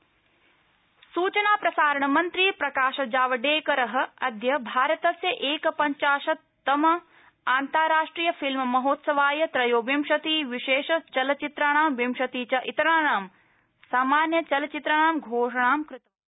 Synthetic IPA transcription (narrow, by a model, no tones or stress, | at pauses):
suːt͡ʃɐnaːpɾɐsaːɾɐɳɐmɐnt̪ɾiːpɾɐkaːʃɐd͡ʒaːʋɐɖeːkɐɾɐɦɐ̆ɐd̪ʱjɐbʱaːɾɐt̪ɐsjɐʔeːkɐpɐɲt͡ʃaːʃɐ | t̪ɐmɐ | aːnt̪aːɾaːʂʈɾiːjɐfilmmɐɦoːt̪sɐʋaːjɐt̪ɾɐjoːbimʃɐt̪iːʋiʃeːʃɐt͡ʃɐlɐt͡ʃit̪ɾaɳaːmʋimʃɐt̪iːt͡ʃɐʔit̪ɐɾaːɳaːm | saːmaːnjɐt͡ʃɐlɐt͡ʃit̪ɾɐɳaːmɡʱoːʂɐɳ̃aːmkɾɪt̪ɐ